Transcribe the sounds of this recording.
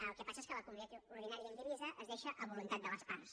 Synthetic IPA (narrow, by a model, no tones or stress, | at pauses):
lˠkɛpasəeskələkumuniat̪ouɾð̞inaɾijəːnɡ̪əɾɛzəʔəzðeʃəʔəβulunt̪at̪̚d̪ələspams